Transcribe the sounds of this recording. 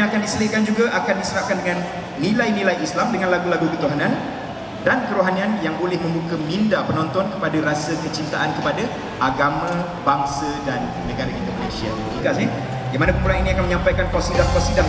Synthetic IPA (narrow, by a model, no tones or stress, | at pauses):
akandisəlɪʔkand͡ʒuɡaʔakandisəɾahkandəŋãnː | ĩlajnilajislamdəŋãnlaɡulaɡukət̪uɦanãn | dankəɾoɦanianjaŋbolɪhmə̃mbukəmindapənɔnt̪ɔnkə̥padaɾasakət͡ʃint̪aʔankəpada | ʔaɡamã | baŋsadanːəɡaɾaʔḭnd̪oməlesia̰ | ikaʔs̬ɪ | jamanapəmpulaniniakanməɲãmpajkankawsidaŋkasida